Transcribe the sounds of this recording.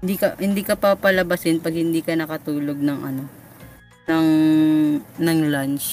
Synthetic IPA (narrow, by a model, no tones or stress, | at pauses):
nd̪iːkɐhɪnd̪iːkɐpɐpɐlɐbasɪnpɐɡ̚hɪnd̪iːkɐnɐkɐt̪uːloɡ̚nɐŋʔɐ̰no̞ | nɐŋ | nɐŋlant͡ʃ